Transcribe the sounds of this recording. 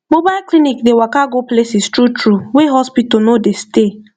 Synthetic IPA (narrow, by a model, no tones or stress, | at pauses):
mobaɪlklinikdewakaɡoplesistɾutɾuweɦɔspitɔnodeste